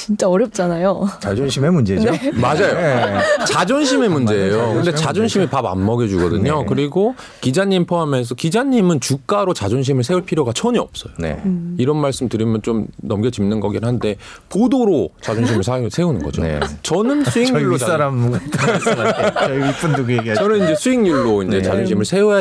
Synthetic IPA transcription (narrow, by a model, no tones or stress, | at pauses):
t͡ɕint͡ɕ͈aʌɾjʌp̚t͡ɕ͈anajot͡ɕad͡ʑonɕʰimemund͡ʑenemad͡ʑajot͡ɕad͡ʑʌnɕ̬ʰime̞mund͡ʑe̞ejokɯndet͡ɕad͡ʑʌnɕʰimipaba̰mːʌɡed͡ʑuɡʌdɯɲokɯɾiɡo | kid͡ʑaɲimpʰoame̞sʰʌkid͡ʑaɲːimɯnt͡ɕuk͈aɾot͡ɕad͡ʑonɕ̬ʰimɯɭsʰe̞uɭpʰiɾjoɡat͡ɕʰʌɲiʌ̰p̚s͈ʌjonḛiɾʌnmaɭs͈ɯmtɯɾimjʌnt͡ɕomnʌmɡʌt͡ɕimnɯnɡʌɡiɾaɦande̞podoɾot͡ɕad͡ʑonɕ̬ʰimɯɭsʰasʰe̞unɯnɡʌ̰d͡ʑo̰t͡ɕʌnɯnsʰuiŋɲuɭːsaɾamːoɡat͈ | ip͈undoɡeɡiat͡ɕʌnɯnind͡ʑe̞sʰuiŋɲuɭːoind͡ʑe̞t͡ɕad͡ʑonɕʰimɯɭsʰe̞uja